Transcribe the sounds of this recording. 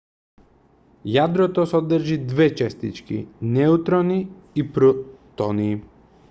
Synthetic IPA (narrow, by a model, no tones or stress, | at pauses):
jad̪ɾɔt̪ɔsɔd̪ɾʒid̪vɛt͡ʃɛst̪it͡ʃkḭnɛut̪ɾɔniːpɾut̪ɔniː